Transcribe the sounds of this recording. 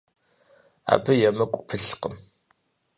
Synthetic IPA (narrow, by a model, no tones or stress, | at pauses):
a̰ːbɨjɛmɨkʷʼpʰɨɬqəm